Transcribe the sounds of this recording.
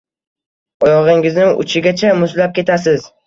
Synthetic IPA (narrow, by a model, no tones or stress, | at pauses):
ɒjɒʁɪŋɪznɪʊ̰t͡ʃʰɪɡʲat͡ʃʰamʊzlap̚kʲʰe̞t̪ʰas̬ɪz̥